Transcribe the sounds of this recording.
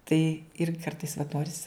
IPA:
tɐɪ ɪr ˈkɐrtɐɪs ʋɐt ˈnoːrʲɪs

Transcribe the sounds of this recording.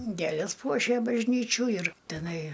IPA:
ˈɡʲeːlʲeːs ˈpuɔʃʲeː bɐʒʲˈnʲiːt͡ʃʲuː ɪr tʲɛˈnɐɪ

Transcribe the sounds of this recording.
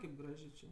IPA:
kɐɪp ˈɡrɑːʒʲeː t͡ʃʲeː

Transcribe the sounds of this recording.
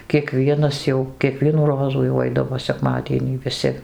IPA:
kʲiɛˈkʋʲiɛnɐs jɛʊ kʲiɛˈkʋʲiɛnuː ˈroːzuː jɛʊ ˈɐɪdɐʋoː sʲɛˈkmɑːdʲiɛnʲiː ʋʲɪˈsʲɪ

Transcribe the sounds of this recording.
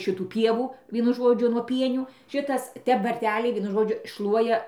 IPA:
ˈʃʲɪtuː ˈpʲiɛʋuː ˈʋʲiɛnʊ ˈʒoːd͡ʒʲʊ nuɔ ˈpʲiɛnʲuː ˈʃʲɪtɐs ˈtʲɛp ʋɐrʲˈtʲæːlʲɛɪ ˈʋʲiɛnʊ ˈʒoːd͡ʒʲʊ ˈʃlˠuɔjɛ

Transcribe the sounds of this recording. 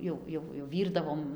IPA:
ˈjɛʊ ˈjɛʊ jɛʊ ˈʋʲiːrdɐʋoːm

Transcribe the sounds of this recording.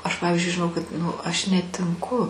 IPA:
ˈɐʃ ˈpɑːʋʲɪzʲd͡ʒʲʊɪ ʒʲɪˈnɐʊ kɐt ˈnʊ ˈɐʃ nʲɛtʲɪŋˈkʊ

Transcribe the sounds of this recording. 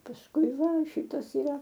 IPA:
pɐsˈkʊɪ ˈʋɐ ˈʃʲiːtɐs ɪˈrɐ

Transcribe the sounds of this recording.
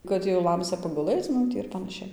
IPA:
ˈkɐt jɛʊ ˈlˠɐmʲsʲɛ pɐɡʊˈlˠɘt͡s ˈmʊm tʲiː ɪr pɐnɐˈʃʲɛɪ

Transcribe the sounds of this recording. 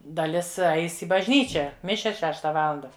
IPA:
dɐˈlʲɪs ˈɐɪs ɪ bɐʒʲˈnʲiːt͡ʃʲɛ ˈmʲɪʃʲɛs ˈʃʲæːʃtɐ ˈʋɑːlˠɐndɐ

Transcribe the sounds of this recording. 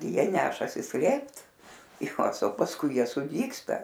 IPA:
ˈjiɛ ˈnʲæːʃɐsʲɪ ˈsʲlʲeːpt ɪˈkɑːsɐ pɐsˈkʊɪ ˈjiɛ sʊˈdʲiːkstɐ

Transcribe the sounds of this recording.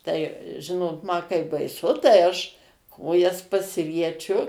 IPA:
tɐɪ ˈʒʲɪnoːt mɐ kɐɪ bɐɪˈsʊ tɐɪ ˈɐʃ ˈkoːjɛs pɐsʲɪrʲiɛˈt͡ʃʲʊ

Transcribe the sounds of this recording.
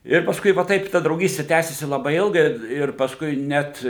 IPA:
ˈɪr pɐsˈkʊɪ ʋɐ ˈtɐɪp tɐ drɐʊˈɡʲiːsʲtʲɪ ˈtʲæːsʲɪsʲɪ lˠɐˈbɐɪ ˈɪlˠɡɐɪ ɪr pɐsˈkʊɪ ˈnʲɛt

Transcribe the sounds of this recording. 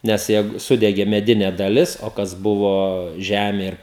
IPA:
nʲɛs ˈjɛɪɡʊ ˈsʊdʲɛɡʲeː mʲɛˈdʲɪnʲɛ dɐˈlʲɪs oː ˈkɐs ˈbʊʋoː ˈʒʲæːmʲeː ɪr

